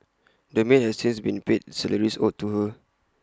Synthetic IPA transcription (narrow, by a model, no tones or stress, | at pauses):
dəmeʔhɛdsĩnsbĩnpet̚sɛləɹiso̰tːuhə